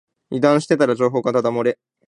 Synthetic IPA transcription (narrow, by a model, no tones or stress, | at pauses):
id̪ãɰ̃ɕi̥t̪e̞t̪aɾad͡ʑo̞ːɦo̞ːɡat̪ad̪amoɾe̞